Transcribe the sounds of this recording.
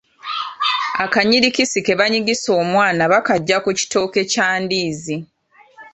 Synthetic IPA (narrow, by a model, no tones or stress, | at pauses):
akaɲiɾikisike̞βaɲiɡiso̞ːmwaːnaβakaɟːakuci̥to̞ːke̞caːndiːzi